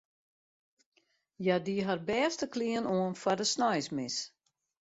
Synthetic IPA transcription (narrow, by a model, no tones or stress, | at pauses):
jadiɦarbɛːstəkliənoənfardəsnɔjsmɪs